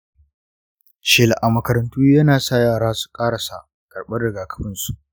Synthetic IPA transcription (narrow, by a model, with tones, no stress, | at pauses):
t͡ʃɪː˨lʔa˨mɐ˨kɐ˨ɾɐ˨ntuː˦jɐ˦naː˨sa˦˨jaː˨ɽaː˦su̥˨kʼaː˦ɽa˨sa̰˨ | kʼɐ˨rɓɐ˦rɽɪ˨ɡaː˨kɐ̥˦ɸɪ˦nsu˦˨ʔ